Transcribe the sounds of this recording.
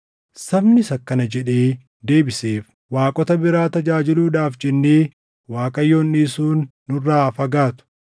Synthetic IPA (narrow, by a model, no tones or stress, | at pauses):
sɐbnɪsɐkːɐnɐd͡ʒɛᶑeː | d̪e̞ːbɪseːf | waːkʼɔt̪ɐbɪɾaːt̪ɐd͡ʒaːd͡ʒɪluːᶑaːfd͡ʒɛnːeː | waːkʼɐjːoːnːiːsuːnːʊrːaːfɐɡaːt̪ʊ̥